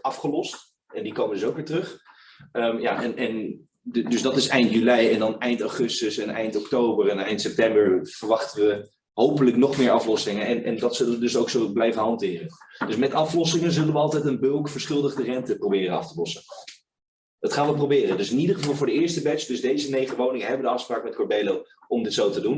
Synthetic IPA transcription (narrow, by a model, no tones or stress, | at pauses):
ɑfχəlɔst | ɛndikowmədzowkʋɪːɹtərøχ | əmja̰ːʔɛnʔɛn | dzdɑtɪsɛjntjylɛjɛndɑnɛjntaχʏstəsɛnɛ̰jntɔktowbəɹɛnɛjntsɛp̚tɛmbəɹv̥əɹʋɑχtəʋə | ɦowpələknɔχmɪːɹɑflɔsɪŋənɛnɛ̰ndɑtsɵlənʋədɵsowksowblɛjvənɦɑntɪːrəndɵsmɛtɑflɔsɪŋənzɵlənʋəɑlˠtɛjtənbølˠkfəɹsχɪlˠdəχdərɛntəprowbɪːrənɑ̰ftəlɔsə | d̥ɑtχaːnʋəprowbɪːrəndɵsɪnidəχəvɑlˠvʊːdəɪːɹstəbɛt͡ʃd̥ɵzdejzənejχəʋownɪŋəɦɛbəʋədəɑfspraːkmɛt̚kɔɹbejlow | ɔmdɪtsowtədun